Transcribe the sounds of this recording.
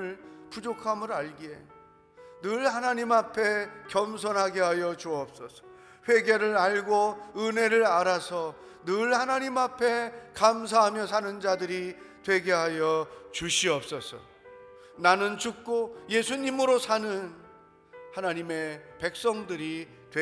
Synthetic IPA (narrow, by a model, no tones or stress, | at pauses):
ɯɭpud͡ʑokʰamɯɾaɭɡie | nɯɭhanaɲimapʰe̞kjʌms̬ʰʌnɦaɡeɦajʌt͡ɕuʌp̚s͈ʌsʰʌ̥ | ɸwe̞ɡe̞ɾɯɾaɭɡoɯne̞ɾɯɾaɾasʰʌ | nɯɭhanaɲimapʰe̞kams̬ʰaɦamjʌsʰanɯnd͡ʑadɯɾitwe̞ɡe̞ɦajʌt͡ɕuɕʰiʌp̚s͈ʌsʰʌ̰ | nanɯnt͡ɕuk̚k͈oje̞sʰuɲimɯɾosʰanɯn | hanaɲime̞pe̞k̚s͈ʌŋdɯɾi | twe